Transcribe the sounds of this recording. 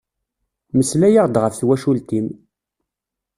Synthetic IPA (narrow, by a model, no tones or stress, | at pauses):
məslæjaʁd̪ʁəfθwæʃult̪im